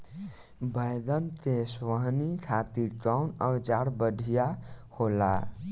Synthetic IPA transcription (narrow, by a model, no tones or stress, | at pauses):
bəjd̪ənt̪esʋəɦnikʰat̪iɾʈawnəd͡ʒaɽbəɖʱijahola